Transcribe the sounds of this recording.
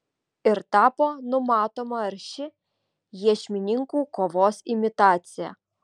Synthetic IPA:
ɪɾt̪ɑːpoːnʊmɑːt̪oːmɐɐɾʲʃʲɪ | jiɛʃʲmʲɪnʲɪŋkuːkoːʋoːsɪmʲɪt̪ɑːt̪sʲɪjæ̰

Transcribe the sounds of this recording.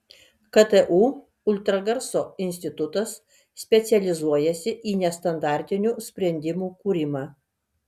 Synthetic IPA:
kɐt̪ɛʔuː | ʊlʲt̪ɾɐɡɐɾsoːɪnʲsʲt̪ʲɪt̪ʊt̪ɐsːʲ | pʲɛt̪sʲɛlʲɪzuɔjɛsʲɪʔiːnʲɛst̪ɐnd̪ɑˑɾʲt̪ʲɪnʲuːsʲpʲɾʲɛnʲd̪ʲɪmuːkuːɾʲɪmɑː

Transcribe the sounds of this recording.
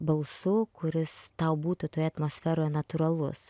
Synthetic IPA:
bɐlˠsʊkʊɾʲɪst̪ɐʊbuːt̪ʊt̪oːjɛɐt̪moːsʲfʲæːɾoːjɛnɐt̪uːɾɐlˠʊ̰s

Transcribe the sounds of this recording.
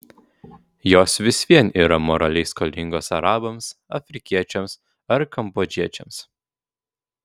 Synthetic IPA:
joːsʋʲɪsʲʋʲiɛniːɾɐmɔɾɐlʲɛɪskɔlʲɪŋɡoːsɐɾɑːbɐmsɐfʲɾʲɪkʲiɛt͡ʃʲɛms | ɐɾkɐmboːd͡ʒʲiɛt͡ʃʲɛ̰ms

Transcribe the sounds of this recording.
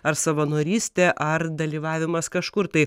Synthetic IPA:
ɐɾsɐʋɐnoːɾʲiːsʲt̪ʲɛʔɐɾd̪ɐlʲiːʋɑːʋʲɪmɐskɐʃkʊɾt̪ɐɪ

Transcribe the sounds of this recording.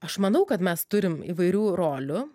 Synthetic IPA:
ɐʃmɐnɐʊkɐt̪mʲɛst̪ʊɾʲɪmḭːʋɐɪɾʲuːɾoːlʲʊ

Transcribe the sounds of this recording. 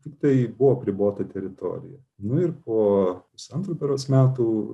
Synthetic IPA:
tʲɪkt̪ɐɪbʊʋoɐpʲɾʲɪboːt̪ɐt̪ʲɛɾʲɪt̪o̰ːɾʲɪ̰jɛ | nʊɪɾpoːpʊsɐnt̪ɾuːpʲɛɾoːsmʲæːt̪uː

